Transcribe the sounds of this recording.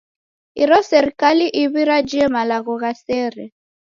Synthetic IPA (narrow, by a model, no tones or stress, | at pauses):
ḭɾɔsɛɾikaliʔiβiɾad͡ʒiɛmalaɣɔɣasɛɾɛ